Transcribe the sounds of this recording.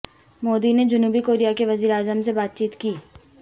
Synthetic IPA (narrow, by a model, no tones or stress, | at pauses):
moːd̪ined͡ʒʊnuːbikoːɾijakeʋɐziːɾeaːzəmsebaːt̪̚t͡ʃiːt̪kiː